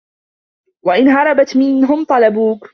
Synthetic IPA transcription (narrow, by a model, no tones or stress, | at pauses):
waʔɪnɦɑɾˤɑbat̪mɪnɦʊmt̪ˤɑlɑbuːk